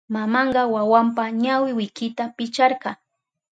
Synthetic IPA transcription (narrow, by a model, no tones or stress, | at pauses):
mamɑɴɢɑwawampaɲawɪwɪkɪt̪apɪt͡ʃɑɾɢɑ